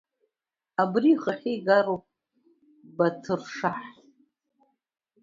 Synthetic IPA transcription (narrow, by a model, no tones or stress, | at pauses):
abriχaχʲiɡaɾopʼ | batʰɨrʂaħ